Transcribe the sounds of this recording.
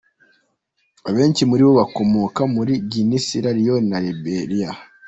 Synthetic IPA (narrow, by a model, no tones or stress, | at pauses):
aβe̞ːɲt͡ʃimuɾiβo̞βako̞moːkamuɾiɟinisiɾaɾijonaɾebeɾija